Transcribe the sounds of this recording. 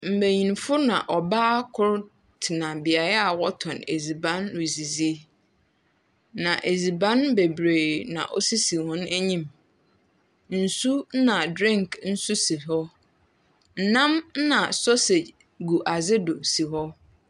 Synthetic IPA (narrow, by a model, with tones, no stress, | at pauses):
m̩˨bæ˨ɲĩ˨nfʊ˦nã̰˨ʔɔ˨baː˦kʰʊ˦ɾ | tʰɪ˨nã˨bɪ˨a˨ɾa˦a˨wɔ˦tʰɔ̃˨ne˨zi˨bã˦nwi˨zi˨zi˦e˦ | nã˨ʔe˨zi˨bã˦nbe˨bɾe˨nã̰˨ʔɔ̰˦si˦si˨hɔ̃˦n˦ʔæ˦ɲĩ˦m | n̩˨su˦nã˨dɾĩ˦ŋkʰn̩˦su˦si˨ɦɔ˦ | n̩˨nã˦m̩˦nã˨sɔ˦se˨ | ɡu˨ʔa˨zɪ˦dʊ˨si˨ɦɔ˦